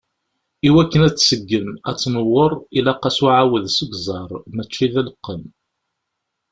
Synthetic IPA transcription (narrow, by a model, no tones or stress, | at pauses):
iwækːənæt͡sːsəɡːəmæt͡sːnəwːoɾˤilæqːɑsuʕawəðsəɡʷzˤɑɾˤmæt͡ʃːiðæləqːən